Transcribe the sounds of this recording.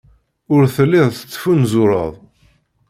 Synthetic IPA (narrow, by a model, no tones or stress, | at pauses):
ʊɾθəlːiðˤθə̥t͡sːfunzʊɾˤə̰ðˤ